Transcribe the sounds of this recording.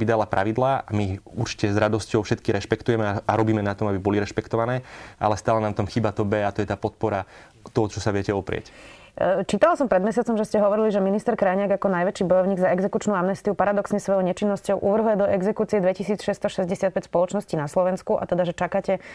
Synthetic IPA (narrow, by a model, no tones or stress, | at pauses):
id̪alapɾʔa̰ʋid̪laːamiuɾt͡ʃi̥cɛzɾad̪ɔscɔʊfʃɛt̪kiɾɛʃpɛkt̪ujɛmɛaaɾɔbiːmɛnat̪ɔmabibɔliɾɛʃpɛkt̪ɔʋanɛːʔa̰lɛst̪aːlɛnant̪ɔmxiːbat̪ɔbɛat̪ɔjɛt̪aːpɔt̪̚pɔɾa | t̪ɔɦɔt͡ʃɔsaʋɪɛcɛɔpɾɪɛ̰c | t͡ʃiːt̪alasɔmpɾɛd̪mɛsɪat͡sɔmʒɛscɛɦɔʋɔɾiliʒɛminist̪ɛɾkɾajɲɪaɡakɔnajʋɛt͡ʃiːbɔjɔʊɲiːɡzaɛɡzɛkut͡ʃnuːamnɛst̪iupaɾad̪ɔksɲɛsʋɔjɔʊɲɛt͡ʃinːɔscɔʊʔuʋr̩ɦlɛd̪ɔʔɛɡzɛkuːt͡siɛd̪ʋɛcisiːt͡sʃɛst̪ɔʃɛzɟɛsɪat̪̚pɛcspɔlɔt͡ʃnɔsciːnaslɔʋɛnskuʔa̰t̪ɛd̪aʒɛt͡ʃakaːcɛ